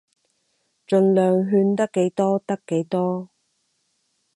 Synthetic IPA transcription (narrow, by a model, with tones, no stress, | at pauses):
t͡ʃɵ˨nlœː˨ŋɦyː˧nt̪ɐ˥kːe˨˥jt̪ɔː˥t̪ɐ˥kːe˨˥jt̪ɔː˥